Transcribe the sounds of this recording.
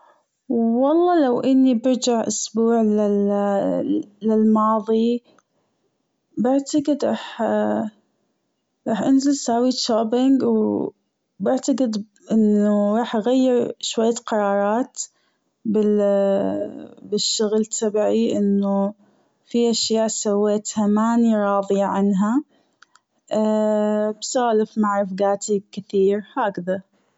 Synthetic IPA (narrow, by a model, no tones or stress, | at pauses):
wɑlˤːɑːlawʔɪnːibɪɾd͡ʒaʕʔʊsbuːʕlɪ | lɪlmɑːðˤi | baʕt̪aqɪd̪ɾˤɑːħ | ɾˤɑːħʔanzɪlsaːwiʃaːbɪŋɡw | bɪʕt̪aqɪd̪ | ʔɪnːuɾˤɑːħʔaɣajːɪɾʃwajːaqɑɾˤɑːɾˤɑːt̪ | bɪ | bɪʃːʊɣlt̪ʰabʕiʔɪnːu | fiʔaʃjaːʔsawːeːt̪hamaːniɾˤɑːðˤjaʕanɦa | ʔ | bsaːlɪfmaʕɾˤɪfɡaːt̪ibkɪθiːɾhaːkða